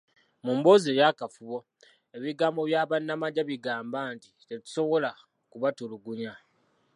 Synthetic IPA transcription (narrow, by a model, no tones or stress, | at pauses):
muːmbo̞ːzeːjakafuβo̞ | eβiɡaːmbo̞βjaːβanːamaɟaβiɡaːmbaːntite̞tu̥so̞βo̞la | kuβatuluɡuɲa